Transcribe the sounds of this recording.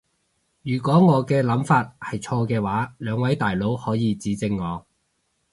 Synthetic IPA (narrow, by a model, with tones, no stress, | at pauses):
jyː˨˩kʷɔː˨˥ŋɔː˨˧kɛː˧lɐ˨˥mfaː˧t̚hɐ˨jt͡ʃʰɔː˧kɛː˧waː˨˥lœː˨˧ŋwɐ˨˥jt̪aː˨jlo˨˥whɔː˨˥jiː˨˧t͡siː˨˥t͡sɪ˧ŋːɔː˨˧